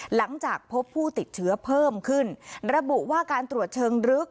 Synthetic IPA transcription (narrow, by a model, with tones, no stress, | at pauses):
la˩˦ŋt͡ɕaː˨˩k̚pʰo˦˥pʰːuː˥˩t̪i˨˩t̪̚t͡ɕʰɯ˦˥ɐpʰɤː˥˩mkʰɯ˥˩nɾa˧bu˨˩ʔwaː˥˩kaː˧nt̪ɾu˨˩ət̪̚t͡ɕʰɤː˧ŋɾɯ˦˥k̚